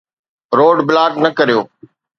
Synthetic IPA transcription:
ɾoːɖblaːʈnɐkɐɾijoː

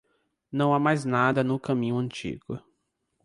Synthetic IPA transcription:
nɐ̃w̃amajznad̪ɐnʊkɐ̃mĩɲʊɐ̃t͡ʃḭɡʊ

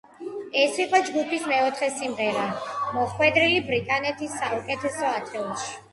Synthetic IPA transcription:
ɛsiqʼɔd͡ʒɡupʰismɛɔt̪ʰχɛsimʁɛɾamɔχwɛd̪ɾilibɾikʼanɛt̪ʰisːaukʼɛt̪ʰɛsɔat̪ʰɛuʃi̥

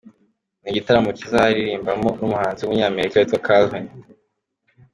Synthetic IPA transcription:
niɟitaɾamocizaaɾiɾiːmbamonumuhaːnziumuɲaːme̞ɾikaetwakʰalvin

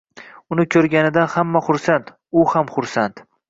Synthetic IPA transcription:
ʊnɪkʲʰɵɾɡʲanɪd̪anhamːaχʊɾsant̪ | ʊhamχʊɾsant̪

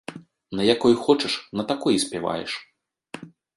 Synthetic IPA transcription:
nɐjakɔjxɔt͡ʂɐʂnɐt̪akɔjsʲpʲava̰jɛ̰ʂ

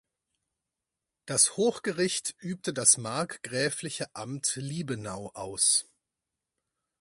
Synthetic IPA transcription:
d̥ashoːxɡ̥əʁɪçtʔyːp̚tədasmaɐkɡ̥ʁɛːflɪçəʔamtliːbənaʊʔaʊs

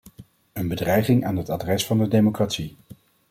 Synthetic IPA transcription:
ənbədrɛjχɪŋa̰ːnɦətadrɛsfɑndədejmokratsi

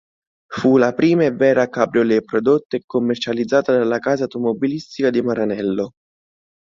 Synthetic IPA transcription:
fulapɾiːmaevːɛːɾakabɾolepɾod̪ot̪ːeekːomːert͡ʃalid̪zːaːt̪ad̪alːakaːzawt̪omobilist̪ikad̪imaɾanɛlːo

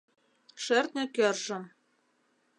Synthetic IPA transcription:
ʃɘ̆rt̪̚nʲɘ̆kʲɘ̆rʒɤ̆m

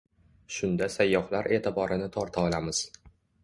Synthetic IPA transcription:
ʃʊnd̪asajːɒhlaɾʔe̞ːt̪ʰɪbɒɾɪnɪt̪ʰɒɾt̪ʰaɒlamɪz̥

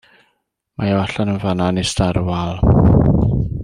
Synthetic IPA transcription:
maɔaɬanənvananistaɾəwalˠ

